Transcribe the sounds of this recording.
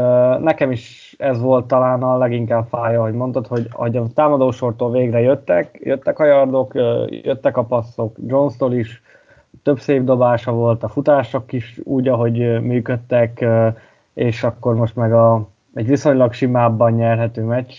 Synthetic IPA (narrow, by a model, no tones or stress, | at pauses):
nɛkɛmiʃ | ɛzʋo̞lt̪ːɒlaːnɒlɛɡiŋkaːbfaːjɒɦo̞ɟmo̞nt̪ot̪ho̞ɟɒ̰ho̞ɟɒt̪aːmɒd̪oːʃo̞rt̪oːlveːɡrɛjøt̪ːɛkjøt̪ːɛkɒjɒrd̪o̞kːjøt̪ːɛkɒpɒsːo̞kd͡ʒo̞nst̪oliʃ | t̪ø̞bseːbd̪o̞baːʃɒvo̞lt̪ɒfut̪aːʃo̞kiʃuːɟɒɦo̞ɟmyːkø̞t̪ːɛkø | eːʃɒkːo̞rmo̞ʃt̪mɛɡɒ | ɛɟʋiso̞ɲlɒkʃimaːbːɒnɲɛrɦɛt̪øːmɛcːt͡ʃ